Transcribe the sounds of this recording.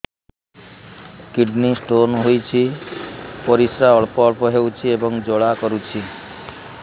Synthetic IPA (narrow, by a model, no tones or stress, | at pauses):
kiɖnisʈonɦojt͡ʃʰi | pɔɾisɾaɔɭpɔːɭpɔɦewt͡ʃʰiebɔŋd͡ʒoɭakɔɾut͡ʃʰi